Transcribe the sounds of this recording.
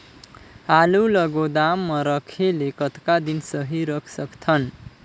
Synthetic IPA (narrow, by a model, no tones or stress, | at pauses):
alulʌɡod̪amːʌɾʌkʰelekʌt̪kad̪insʌɦiɾʌkʰsʌktʰʌn